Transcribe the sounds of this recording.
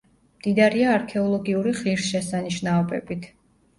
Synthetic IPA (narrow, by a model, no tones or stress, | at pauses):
md̪̥id̪aɾiaːɾkʰɛɔlˠɔɡiuɾiχiɾsʃɛsaniʃnaɔbɛbit̪ʰ